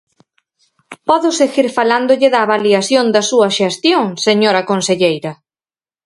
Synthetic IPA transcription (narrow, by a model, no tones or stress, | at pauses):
pɔðʊseɣiɾfaland̪ʊʎɪðaːβaliaθjond̪ɐsuɐʃest̪joŋseɲoɾɐkonseʎejɾɐ